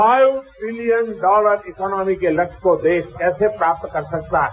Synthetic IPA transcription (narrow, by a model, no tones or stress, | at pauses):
aːjuʈɾɪlijənɖɔːləɾɪkɔːnɔːmikelɐkkod̪eːʃkɛːsepɾaːp̚t̪kəɾsək̚t̪a